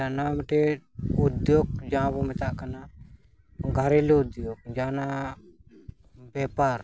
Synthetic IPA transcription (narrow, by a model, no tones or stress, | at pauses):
anamʈeud̪joːɡ̚d͡ʒãːbumɛt̪aʔkana | ɡʱɐɾeleud̪joːɡ̚d͡ʒaːna | bɛːpaːɾ